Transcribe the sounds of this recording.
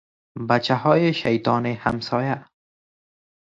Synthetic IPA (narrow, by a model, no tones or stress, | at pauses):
bat͡ʃahɔːjeʃajt̪ɔːneha̰msɔːja